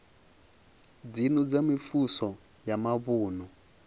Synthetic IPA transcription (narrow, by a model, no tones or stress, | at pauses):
d͡zinɔd͡zamifusɔ | jamaβuːnu